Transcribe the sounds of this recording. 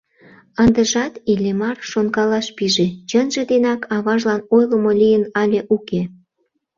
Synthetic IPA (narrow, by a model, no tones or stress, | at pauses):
ənd̪ə̆ʒɑt̪ilʲemɑrʃonkɑlɑʃpiʒet͡ɕənʒĕd̪enɑkʰɑβɑʒlɑnojlə̆molʲijənɑlʲeʔuke